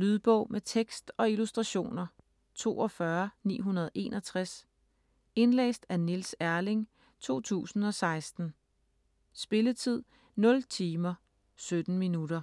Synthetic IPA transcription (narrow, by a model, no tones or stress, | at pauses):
lyð̞ˠb̥ɔʊ̰met͡sʰeɡ̥sd̥ɒ̽ilusd̥ʁɑ̈ɕo̝̰ːnɐ | t͡sʰo̝̰ːɒ̽fɶɐnḭːɦunɐð̞ˠʔe̝̰nʔɒ̽t͡sʰʁas | e̝nlḛːsd̥ænilsæɐle̝ŋ | t͡sʰo̝̰ːt͡sʰṵːsn̩ɒ̽sɑ̈ɪsd̥n̩ | sb̥e̝lət͡sʰið̞̰ˠ | nɔ̽lt͡sʰiːmɐ | sød̥n̩minud̥ɐ